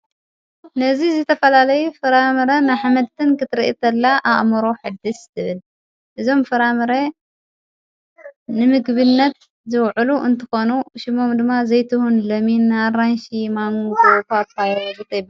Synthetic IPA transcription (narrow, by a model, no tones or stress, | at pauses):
nɐzizɨt̪ʰɐfɐlalɐjufɨɾamɨɾɐnaħamɐd̪̚t̪ʰɨnkɨt̪ʰɨɾiʔit̪ʰɐlːaʔaʔmɐɾoħɨd̪ɨst̪ʰɨβɨl | ʔɨzo̞mfɨɾamɨɾɐ | nɨmɨɡβɨnːɐt̪ | zɨwʕuluʔɨnt̪ʰɨxonuʃimo̞md̪ɨmːazɐjt̪ʰɨhunlɐminːaranʃimaŋutʼopapajbɨt̪ʼɐjba